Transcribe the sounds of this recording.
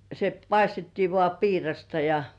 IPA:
se pɑistetːiː ʋŏɑˑ piːrɑstɑ jɑ

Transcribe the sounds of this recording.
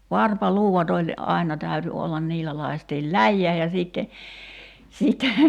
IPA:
ʋɑrpɑluːwɑt olʲ ʔɑinɑ tæyty olːɑn niːlːæ lɑi̞stiːl læjːæː jɑ siˑtːe siˑtːe

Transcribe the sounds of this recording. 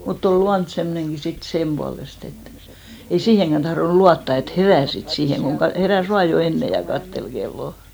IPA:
mutː ol luɑnt semːŏnenɡ̊i sit semb̥uɑlest et ei siːheŋkæn tɑhronŭ luɑtːɑ et heræˑ sit siːheŋ ɡ̊oŋ kɑ heræˑs ʋɑː jo enːe jɑ kɑtːel ɡ̊elːoˑ

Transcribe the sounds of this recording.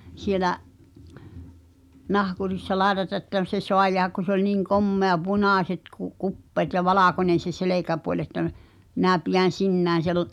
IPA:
sielæʔ nɑhkurisːɑ lɑetɑtɑ ĕtːæ se soɑ jeæhæk ku se olʲ niŋ komːeɑ punɑˑsʲet ku kupːeːt jɑ ʋɑlɑˑkonʲen̞ se seleˑkæpuolʲ etːæ m minæˑ pijæn̞ sinːæːn̞ sel

